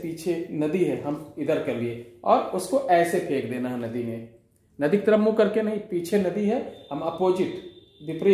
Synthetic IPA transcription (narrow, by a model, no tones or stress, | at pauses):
piːt͡ʃʰenɐd̪iɦɛɦɐmɪd̪əɾkɐɾlieɔ̰ːɾʊskoʔɛːsepʰeːkd̪eːnaɦɛnɐd̪ine | nɐd̪ɪk̚t̪ɾɐmːukɐɾkenɐɦĩpiːt͡ʃʰenɐd̪iɦɛɦɐmɐpoːd͡ʒɪʈ | ʋɪpɾi